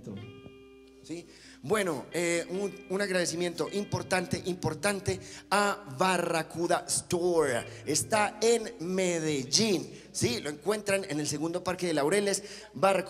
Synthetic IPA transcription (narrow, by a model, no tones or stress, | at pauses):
si | bwe̞no̞euunaɣɾaðe̞s̬imje̞nt̪o̞ʔimpo̞ɾt̪ant̪e̞ʔimpo̞ɾt̪ant̪eaβarakuðast̪oɾaest̪aenmeðeʝin | silo̞e̞ŋkwe̞nt̪ɾane̞ne̞lse̞ɣũnd̪o̞paɾke̞ðe̞lawɾe̞le̞s | barak